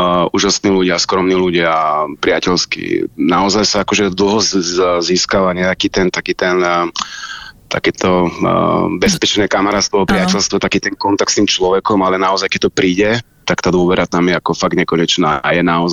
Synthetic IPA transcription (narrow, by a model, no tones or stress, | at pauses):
uːʒasniːluɟɪaskɾɔmniːluɟɪapɾɪacɛlskḭnaɔzajsaakɔʒɛd̪l̩ˠɦɔziːskaʋaɲɛakiːt̪ɛnt̪akiːt̪ɛn | t̪a̰kɛːt̪ʰɔ | bɛspɛt͡ʃnɛːkamaɾat̪st̪ʋɔpɾɪatɛlst̪ʋɔt̪akiːt̪ɛnkɔnt̪aktst̪iːmt͡ʃlɔʋɛkɔmalɛnaɔzajkɛc̚t̪ɔpɾiːɟɛ | t̪akt̪aːd̪ʊɔʋɛɾʔat̪amjɛakɔfaɡ̚dɲɛkɔɲɛt͡ʃna̰ːjɛnaɔz